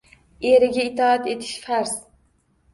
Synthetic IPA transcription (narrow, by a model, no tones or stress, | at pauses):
eɾɪɡʲaɪt̪ʰɒat̪e̞t̪ʰɪ̥ʃfaɾz̥